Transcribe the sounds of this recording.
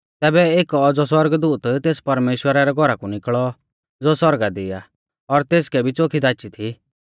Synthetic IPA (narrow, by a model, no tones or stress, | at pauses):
t̪ɛːbɛeːkɔd͡zɔswɐɾɡd̪uːt̪t̪eːspɐɾmeːʃwəɾaɾɛɡʱɔɾakunɪkɭɔ | d͡zoswɔɾɡad̪ɪja | ɔɾt̪eːskɛbʱit͡sokʰid̪aːt͡ʃit̪ʰi